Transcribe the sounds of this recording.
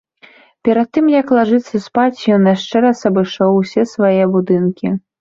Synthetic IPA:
pʲɛɾɐt̪̚ːɨmjɐklˠaʐɨt̪sɐspat͡sʲjɔnaʂt͡ʂɛɾasɐbɨʂɔwsʲɛsvajɛbud̪ɨnkʲi

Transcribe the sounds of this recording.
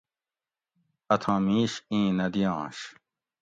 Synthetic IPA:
ɐt̪ʰãːmiːɕĩːnɐd̪ijɑ̃ːɕ

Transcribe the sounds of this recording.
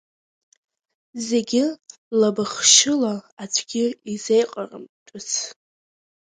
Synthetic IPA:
ze̞ɡʲɪ | labɨχʃɪlaat͡ʃʷʰɡʲɪizejqʼarɨ̰mtʼʊt͡sʰ

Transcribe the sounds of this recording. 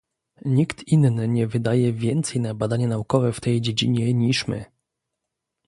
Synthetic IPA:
ɲikt̪innɘɲɛvɘd̪ajɛvʲjɛnt̪sɛjnabad̪aɲanaukɔvɛft̪ɛjd͡ʑed͡ʑḭɲɛɲiʂmɘ̰

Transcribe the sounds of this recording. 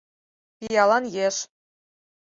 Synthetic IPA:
pijɑlˠɑnjeʃ

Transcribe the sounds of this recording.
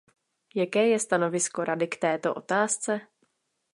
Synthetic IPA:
jakɛːjɛst̪ano̞vɪsko̞ɾadɪkt̪ɛːt̪o̞ʔo̞̰t̪aːst͡sɛ

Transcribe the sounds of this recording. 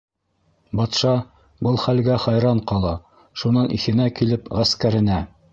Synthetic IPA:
bɑt̪ʃɑ | bɤlˠχælɡæχɑjɾɑɴqɑlˠɑ | ʃunɤnʔḭθɘ̆nækilɘpʁæskæɾɘ̆næ

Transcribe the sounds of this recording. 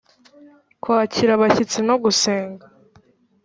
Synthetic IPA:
kwaːciɾaβaçit͡sino̞ɡuseːŋɡa

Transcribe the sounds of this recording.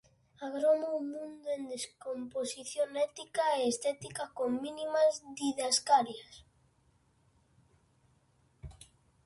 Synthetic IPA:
aɣɾomoumũnd̪oend̪eskomposiθjonɛt̪ikaeest̪ɛt̪ikakoŋminimazðiðaskaɾjas

